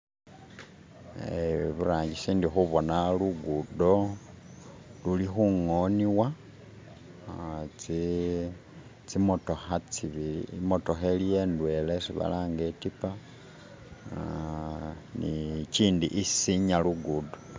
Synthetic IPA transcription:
eβuɾaːɲɟisiːndixuβo̞naluɡudo̞ | lulixuŋoniwa | t͡si | t͡simoto̞xat͡siβilḭmoto̞xelije̞ːndwe̞lesiβa̰laːŋɡetipa | nit͡ʃiːndiʔisiɲaluɡudo

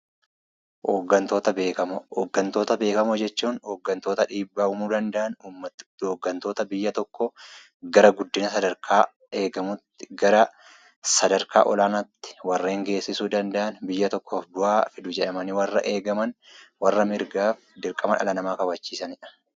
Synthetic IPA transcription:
oɡɐnt̪o̞ːt̪ɐbeːkɐmɡːɐnt̪o̞ːt̪ɐbe̞ːkɐmod͡ʒɛt͡ʃːuːnhɔːɡːɐnt̪o̞ːt̪ɐᶑiːbːaːʊmuːd̪ɐnd̪ɐʔɐnuːmːɐɔɡːɐnt̪o̞ːt̪ɐbɪjːɐt̪ɔkːɔ | ɡɐɾɐɡʊd̪ːɪnɐsɐd̪ɐɾkʰaː | e̞ːɡɐmʊt̪ːɪ̥ɡɐɾɐ | sɐd̪ɐɾkʰa̰ːʔɔlaːnɐt̪ːɪ̥wɐrːe̞ːŋɡe̞ːsːɪsuːd̪ɐnd̪ɐʔɐnbɪjːɐt̪ɔkːoːfbʊʔaːfɪd̪ʊd͡ʒɛᶑɐmɐnɪwɐrːɐ̰ʔe̞ːɡɐmɐnwɐrːɐmɪɾɡaːfd̪ɪɾkʼːɐmɐnʔɐ̰lɐnɐmaːkɐbɐt͡ʃːiːsɐnɪᶑɐ̥

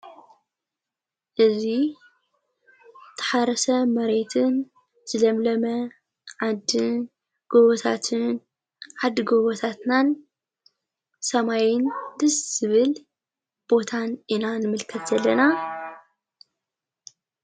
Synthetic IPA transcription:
ʔɨzi | t̪ʰːɐ̥ħaɾɐsɐmɐɾe̞t̪ʰɨn | z̥ɨlɐmlɐmɐ | ʕad̪ɨn | ɡ̥oβot̪ʰa̰t̪ʰɨn | ʕad̪ɨɡoβot̪ʰat̪nan | sɐmajɪnd̪ɨsz̥ɨβɨl | b̥o̞t̪ʰaninanɨmɨlkʰɐt̪zɐlːɐna

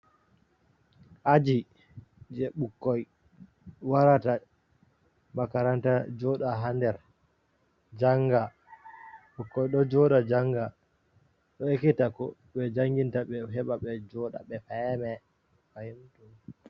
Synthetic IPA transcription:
ʔad͡ʒi | d͡ʒɛɓukːɔj | waɾata | makaɾantad͡ʒɔɗaɦandɛɾ | d͡ʒaŋɡa | ɓukːɔjɗɔd͡ʒɔɗad͡ʒaŋɡa | ɗɔekːitakɔ̰ɓɛd͡ʒaŋɡintaɓɛɦɛɓaɓɛd͡ʒɔɗa̰ɓɛfamɛ | fajimtu

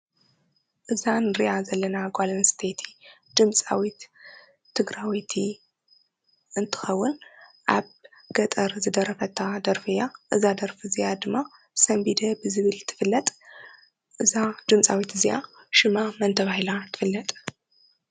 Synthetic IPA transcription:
ʔɨzanɨɾijazɐlːɐnaɡalɐnst̪ʰet̪ʰi̥d̪̥ɨmt͡sʼa̰wit̪ʰː | ɨɡɾawit̪ʰi | ʔɨnt̪ʰɨ̥xɐwːʊnʔaβ | ɡ̥ɐt̪ʼɐɾzɨd̪ɐɾɐfɐt̪ʰːad̪ɐɾfɨjaʔɨzad̪ɐɾfɨzijad̪ɨmːa | sɐmbid̪ɐbɨzɨβɨlt̪ʰɨ̥fɨlːɐt̪ʼ | ʔɨzad̪ɨmt͡sʼawit̪ɨzija | ʃɨmamɐnt̪ʰɐβahilat̪ʰɨ̥fɨlːɐt̪ʼ

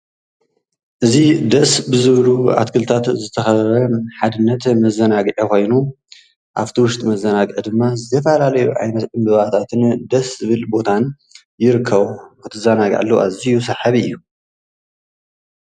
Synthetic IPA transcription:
ʔɨzid̪ɐsbɨzɨβlua̰t̪kʰɨlt̪ʰat̪zɨt̪ʰɐxɐɾɐħad̪ɨnːɐt̪mɐzɐnaɡʔekʰo̞jnu | ʔaβt̪ʰiwʊʃt̪ʼmɐzɐnaɡʔed̪ɨmːazɨt̪ʰɐfɐlalɐjuʕa̰jnɐt̪ʔɨmbɨβat̪ʰat̪ʰɨnd̪ɐszɨβɨlbo̞t̪ʰan | jɪɾɨkʰːɐβukɨt̪ʰɨzɐnaɡ̰ʕa̰lːoʔazijusɐħaβɨjːu

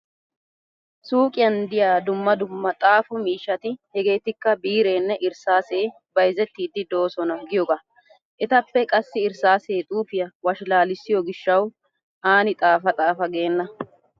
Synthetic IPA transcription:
suːkʼɪjɐnd̪ɪjaːd̪ʊmːɐd̪ʊmːɐt̪ʼaːfʊmiːʃːɐt̪ɪhɛɡe̞ːt̪ɪkːɐbiːɾe̞ːnːɛʔɪɾsaːse̞ː | bɐjzɛt̪ːiːd̪ːɪd̪o̞ːsɔnɐɡɪjɔɡa | ʔɛt̪ɐpːɛkʼɐsːɪɪɾsaːseːt̪ʼuːfɪjɐwɐʃlaːlɪsːɪjɔɡɪʃːɐw | ʔaːnɪt̪ʼaːfɐt̪ʼaːfɐɡe̞ːnːɐ

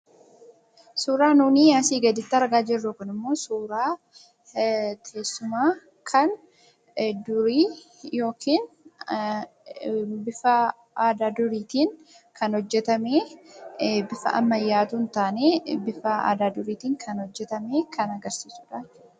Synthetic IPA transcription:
suːɾaːnuːniːjaːsiːɡɐd̪ɪt̪ːɐɐɾɡaːd͡ʒɪrːukɐnɪmːo̞ːsuːɾaː | t̪ʰeːsːʊmaː | kʰɐn | d̪ʊɾiː | jo̞ːkʰiːn | bɪfɐ | aːd̪aːd̪ʊɾiːt̪iːŋ | kɐnhɔd͡ʒːɛt̪ɐmeː | bɪfɐ̰ʔɐ̰mːɐjːaːt̪unt̪aːneːbɪfɐa̰ːd̪aːd̪ʊɾiːt̪iːŋkʰɐnhɔd͡ʒːɛt̪ɐmeːkʰɐnɐɡɐɾsiːsʊᶑaːɪ̥

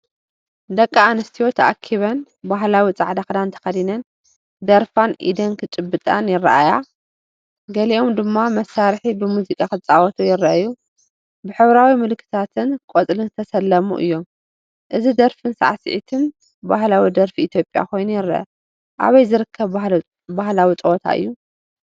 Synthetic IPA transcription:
d̪ɐkʼːaanɐst̪ʰijo̞t̪ʰɐʔa̰kʰːiβɐn | baɦlawit͡sʼa̰ʕd̪axd̪ant̪ʰɐ̥xɐd̪inɐn | d̪ɐɾfanʔḭd̪ɐnkʰɨt͡ʃʼɨbːɨt̪ʼanjɪrːɐ̰ʔaja | ɡɐliʔomd̪ɨmːamɐsːaɾħibɨmuzikʼakɨt͡sʼawɐt̪ʰujɪɾɐʔju | bɨħɨβɾawimɨlkʰːɨ̥t̪ʰat̪ʰɨnkʼot͡sʼlɨnzɨt̪ʰɐsɐlːɐmṵʔɨ̰jːo̞m | ʔɨzid̪ɐɾfɨnsa̰ʕasɨ̰ʕḭt̪ʰɨn | bahlawid̪ɐɾfiːt̪ʰjo̞pʼja̰kʰo̞jnujɪɾːɐ̰ʔɐ̰ | ʔa̰βɐjzɨɾɨkʰːɐβ | bahlawit͡sʼɐwɔt̪ʰa̰ʔɨ̰jːu

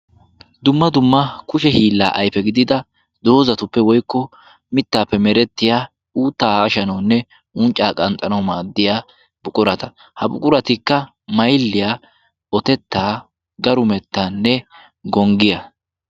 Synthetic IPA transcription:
d̪ʊmːɐd̪ʊmːɐkʊʃɛhiːlːa̰ːʔɐjfɛɡɪd̪ɪd̪ɐ | d̪oːzɐt̪ʊpːɛwɔjkːɔ | mɪt̪ːaːpːɛmɛɾɛt̪ːɪjaː | uːt̪ːaːhːʃɐnɐwnːɛ | ʔʊnt͡ʃʼːaːkʼɐnt̪ʼɐnɐwmaːd̪ːɪjaː | bʊkʼʊɾɐt̪ɐ | hɐbʊkʼʊɾɐt̪ɪkːɐ | mɐjlːɪjaː | ɔt̪ɛt̪ːaː | ɡɐɾʊmɛt̪ːaːnːɛ | ɡɔŋɡɪjɐ

